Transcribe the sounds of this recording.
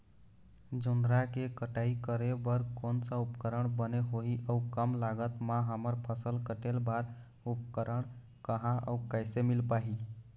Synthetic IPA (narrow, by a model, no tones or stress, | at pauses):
d͡ʒund̪ɾakekəʈaikəɾebəɾkonsə̃upkəɾəɳbəneɦoɦiʔəukəmlaɡət̪mãɦəməɾpʰəsəlkəʈelbaɾ | upkəɾəɳ | kəɦãʔə̰ukəjsemilpaɦi